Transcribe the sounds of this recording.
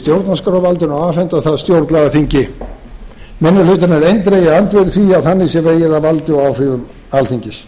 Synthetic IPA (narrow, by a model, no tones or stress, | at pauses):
t̪jowɾt̪naskɾvalt̪ɪnaaːvlɛnt̪aθaðst̪jowɾt̪nlaɣaθiɲcɪ | mɛnːʏlʏt̪anɛɾejnt̪ɾejɪant̪vɛɾθiaðθanːisjɛveːjɪðavalt̪ɪɔwawr̥ɪvʏm | alθiɲcɪs